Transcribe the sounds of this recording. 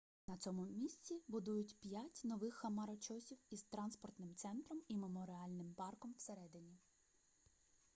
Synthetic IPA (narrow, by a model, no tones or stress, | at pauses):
nɐt͡sʲɔmʊmʲisʲt͡sʲibʊd̪ujʊtʲpʲjatʲnɔʋɪxːɐmɐɾɔt͡ʃɔsʲiwiz̥t̪ɾɑnspɔrt̪nɪmt̪sɛnt̪ɾɔmimemɔɾɪɑlʲnɪmpɑrkɔmw̥seɾɛd̪ɪnʲi